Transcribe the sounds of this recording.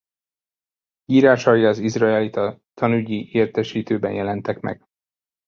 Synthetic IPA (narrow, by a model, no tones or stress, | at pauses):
jiːɾaːʃɒjɒːzizrɒɛlit̪ɒt̪ʰɒnyɟiʔeːrt̪ɛʃiːt̪øːbɛnjɛlɛnt̪ɛkmɛ̰ɡ̥